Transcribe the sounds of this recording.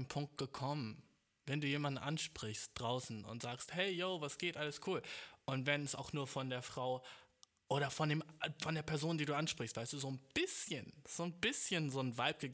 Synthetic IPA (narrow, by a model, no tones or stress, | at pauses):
mpʰʊŋk̚t̚ɡ̥əkʰɔmən | vɛnduːjeːmandn̩ʔanʃpʁ̥ɪçst̚d̥ʁaʊsn̩ʊ̰ntz̥aːksthɛɪjoʊvasɡ̥eːtʔaləskʰuːlʔʊntvɛnɛsa̰ʊxnuːɐfɔndeːɐfʁ̥aʊ | ʔoːɾɐfɔndeːmfɔndeːɐpʰɛɐzoːndiːduːʔanʃpʁ̥ɪçstv̥aɪstd̥uːzoːnb̥ɪsçənz̥oːnbɪsçənzoːnvalp̚ɡ̥əɡ